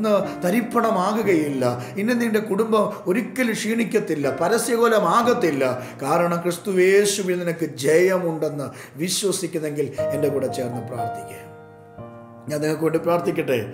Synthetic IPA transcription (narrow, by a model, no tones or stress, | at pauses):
nːɨt̪ɐɾipːɐɳɐmaːɣuɣɐjilːɐinːenːiɳde̞kuɽumbɐmo̞ɾukʲːɐlɨʂiːɳikʲːɐt̪ːilːɐpɐɾɐsjɐɣoːlɐmaːɣɐt̪ːilːɐkaːɾɐɳɐmkrɨst̪ue̞ːɕuʋinninɐkːɨd͡ʑejɐmuɳɖe̞nːɨ | ʋiɕwɐsikʲːunːe̞ŋɡile̞nde̞kuːɽɐt͡ɕe̞ːrnːɨpra̰ːrt̪ʰikʲːɐ̰j | ɲaːniŋːɐɭk̬ːɨʋeːɳɖɨpraːrt̪ikʲːɐʈːe